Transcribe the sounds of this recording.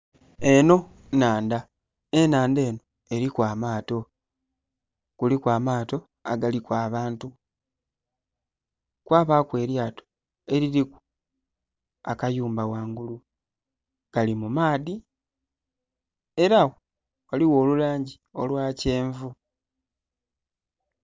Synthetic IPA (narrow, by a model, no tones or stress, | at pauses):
e̞no̞ | naːnda | e̞naːnde̞ːno̞ | e̞ɾikwaːmaːto̞ | kulikwaːmaːto̞ | aɡalikwaːβaːntu | kwaːβakwe̞ːɾjaːto̥ | e̞ɾiɾiku̥ | a̰kajuːmbawaːŋɡulu | ɡ̥alimumaːði | e̞ɾawo | waliwo̞ːlulaːɲɟi | o̞lwaːce̞ːɱvu